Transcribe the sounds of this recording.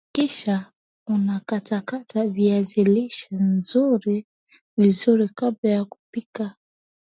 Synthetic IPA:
kiʃa | unakatakataviaziliʃanzuɾi | vizuɾikabajaku̥pika

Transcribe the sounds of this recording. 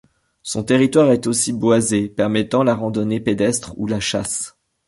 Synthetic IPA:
sɔ̃t̪eʁit̪waʁɛt̪osibwazepɛʁmɛt̪ɑ̃laʁɑ̃d̪ɔneped̪ɛst̪χṵlaʃas

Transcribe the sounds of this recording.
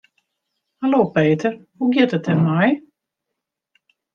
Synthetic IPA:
haloːpeːtʰəɾ | uɡjɪtətɛmmaj

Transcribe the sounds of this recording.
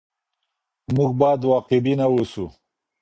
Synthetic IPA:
muɡbɑːd̪wɑːqɪbinawosu

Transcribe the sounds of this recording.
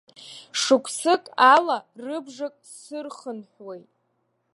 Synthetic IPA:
ʂɨkʷʰsɨkʼalarɨbʐakʼ | sɨrχənħwejtʼ

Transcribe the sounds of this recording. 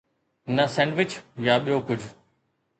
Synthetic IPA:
nəsɛ̃ːɳɖʋɪt͡ɕjaɓijokʊd͡ʑʱ

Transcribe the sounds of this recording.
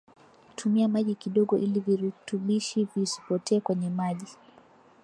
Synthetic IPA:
tʰumiamaʄikiɗɔɠɔʔiliviɾutuɓiʃivisi̥pɔtʰɛːkwɛɲɛmaʄi

